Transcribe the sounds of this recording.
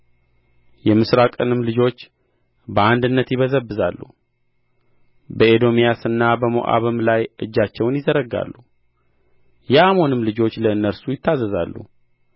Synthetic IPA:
jɛmɨsɾakʼənɨmlɨd͡ʒo̞t͡ʃː | bəand̪ɨnːət̪jɪβəzəbːɨzalːṵ | bəed̪o̞mijasɨnːabəmo̰ʔa̰βɨmlajʔɨd͡ʒːat͡ʃːɛwnjɪzəɾəɡa̰lːu | jɛʔamo̞nɨmlɨd͡ʒo̞t͡ʃːləɨnːəɾsujɪt̪ːazəza̰lːṵ

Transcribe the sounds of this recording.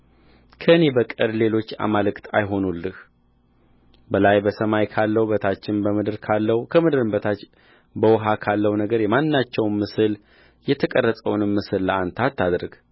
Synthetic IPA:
kʰəɨne̞bəkʼɨɾle̞lo̞t͡ʃːa̰malɨkt̪ʰa̰jɦo̞nulːɨh | bəlajbəsəmajkʰalːəwbət̪ʰat͡ʃːɪnbəmɨd̪ɨɾkʰalːəhukʰəmɨd̪ɨɾɨmbət̪ʰat͡ʃ | bəwɦakʰalːəwnəɡəɾjɛmanɨnːat͡ʃːɛwmːɨsɨl | jɛt̪ʰəkʼərːət̪ʼəwnɨmːɨsɨlːəant̪ʰat̪ːad̪ɾɡ

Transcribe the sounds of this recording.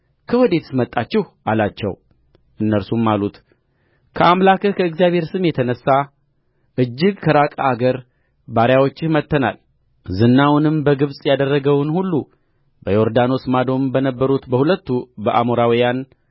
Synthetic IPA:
kʰəwɔd̪e̞t̪ʰɨ̥smət̪ʼːat͡ʃːɪhʔalat͡ʃːɛ̰w | ʔɨnːəlsumːalut̪ | kʰəʔamlakʰəkʰəɨɡzijaβhe̞ɾsɨmjɛt̪ʰənəsːa | ʔɨd͡ʒːɪɡkʰəɾakʼaːɡəɾ | baɾjawo̞t͡ʃːɪmət̪ːəna̰l | zɨnːawnɨmbəɡɨβsʼjad̪ərːəɡəwnhulːu | bəjo̞ɾd̪ano̞smad̪o̞mbənəbːəɾut̪bəhulət̪ːubəʔamoɾawijan

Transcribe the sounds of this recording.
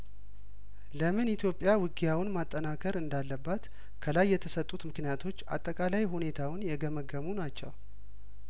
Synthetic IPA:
ləmɨnit̪ʰjo̞pʼːjawɨɡijawɨnmat̪ʼːənakʰəɾɨnd̪alːəbːat̪ | kʰəlajːɛt̪ʰəsət̪ʼːut̪mɨknijat̪ʰo̞t͡ʃːa̰t̪ʼːəkʼalajɦune̞t̪ʰawʊnjɛɡəməɡəmunat͡ʃːɛ̰w

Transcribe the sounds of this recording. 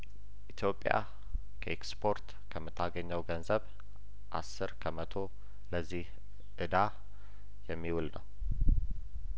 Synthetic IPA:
ʔit̪ʰjo̞pʼːja̰ | kʰəʔekspʰo̞ɾt̪ | kʰəmːɨt̪ʰːaɡəɲːəwɡənzəβ | ʔa̰sːɨɾkʰəmət̪ʰo̞ | ləzːih | ʔɨd̪a | jɛmːiwulnə̰w

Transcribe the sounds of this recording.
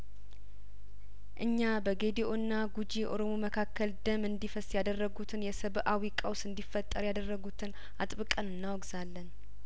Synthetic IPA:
ʔɨɲːabəɡe̞d̪eʔonːaɡud͡ʒiʔo̞̰ɾo̞moməkʰakʰːəld̪əmɨnd̪ifəsjad̪ərːəɡut̪ʰɨnjɛsəβʔawikʼəwsɨnd̪ifːət̪ʼːəɾjad̪ərːəɡut̪ʰɨn | at̪ʼβɨkʼənɨnːawɡzalːən

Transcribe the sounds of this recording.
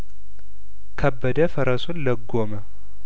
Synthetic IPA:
kʰəbːəd̪əfəɾəsunləɡːomə

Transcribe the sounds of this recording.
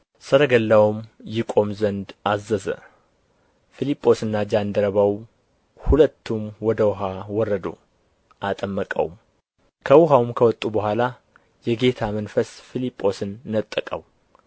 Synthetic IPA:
səɾəɡəlːawmjɪkʼo̞mzənd̪azːəzə̰ | filipʼːo̞sɨnːad͡ʒand̪əɾəβaw | hulət̪ʰːumwɔd̪əwɦawɔrːəd̪o̰ | ʔat̪ʼəmːəkʼə̰w̰m | kʰəwʊɦawumkʰəwɔt̪ʼːubəɦʷala | jɛɡe̞t̪ʰamənfəsfilipʼːo̞sɨnːət̪ʼːəkʼəw

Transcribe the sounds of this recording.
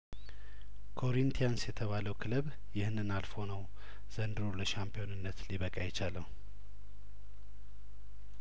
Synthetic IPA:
kʰo̞ɾint̪ʰijansjɛt̪ʰəβaləwkʰɨlɨβ | jɪhnːɨnalfo̞nəw | z̥ənd̪ɨɾoləʃampijo̞nɨnːət̪liβəkʼajɛt͡ʃaləw

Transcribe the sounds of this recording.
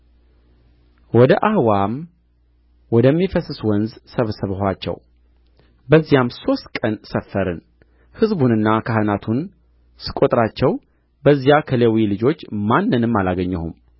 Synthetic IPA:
wɔd̪əʔahwam | wɔd̪əmːifəsɨswɔnzsəβsəβɦat͡ʃːɛ̰w | bəzːijamso̞st̪kʼənsəfːəɾɨn | hɨzbunɨnːakʰaɦɨnat̪ʰun | sɨ̥kʼo̞t̪ʼɾat͡ʃːɛw | bəzːjakʰəlewilɨd͡ʒo̞t͡ʃːmanːɨnɨmːalaɡəɲːɛhṵm

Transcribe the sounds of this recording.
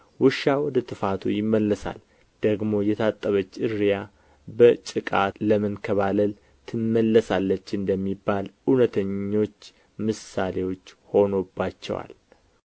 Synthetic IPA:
wɨʃːawɔd̪ət̪ʰɨfat̪ʰujɪmːəlːəsa̰l | d̪̥əɡmo̞jɛt̪ʰat̪ʼːəβət͡ʃːɨɾja | bət͡ʃʼɨkʼat̪ləmənkʰəβaləl | t̪ʰɨnmːəlːəsalːət͡ʃːɨnd̪əmːibːalunət̪ʰəɲːo̞t͡ʃː | mɨsalewo̞t͡ʃːho̞no̞bːat͡ʃːɛ̰wa̰l

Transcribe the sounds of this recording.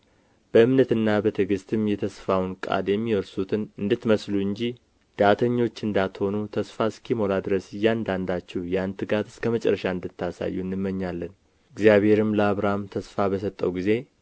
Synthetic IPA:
b̥əɨmnət̪ɨnːabət̪ʰɨɡɨst̪ʰɨmjɛt̪ʰəsfawnkʼa̰d̪jɛmːiwɔɾsut̪ʰɨnɨnd̪ɨt̪məsluɨɲd͡ʒi | d̪̥at̪ʰəɲːo̞t͡ʃːɨnd̪at̪ho̞nut̪ʰəsfaskʰimo̞lad̪ɨɾəsɨjːand̪and̪at͡ʃːɛwjant̪ʰɨɡat̪ɨskʰəmət͡ʃʼɛ̰ɾːəʃaɨnd̪ɨt̪ːasa̰jːunːɨmːəɲːalːən | ɨɡzijaβhe̞ɾɨmləaβɾamt̪ʰəsfabəsət̪ʼːəwɡize̞

